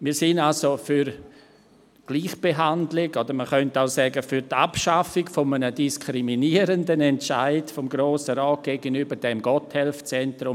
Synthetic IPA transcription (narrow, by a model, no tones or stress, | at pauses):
miːsɪnalsofyɾ | ɡ̥liːχb̥eɦandlɪɡɔdəɾməχœntaʊsɛːɡəfyɾta̰pʃafɪkfɔmənədiskʰɾiminiəɾəndənɛntt͡ʃa̰ɪdfɔmɡɾoːsəɾɔːt̚ɡ̥eːɡənybəɾdɛmɡɔthɛlft͡sɛntɾʊm